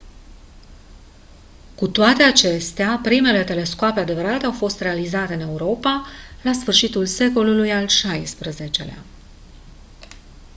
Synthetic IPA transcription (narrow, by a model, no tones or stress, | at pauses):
kut̪oat̪e̞at͡ʃe̞st̪eapɾime̞le̞t̪e̞le̞skoapead̪e̞vəɾat̪e̞awfo̞st̪re̞alizat̪e̞ɨne̞uɾo̞palasfɨrʃit̪ulse̞ko̞lulujalʃajspɾəze̞t͡ʃe̞̰lea̰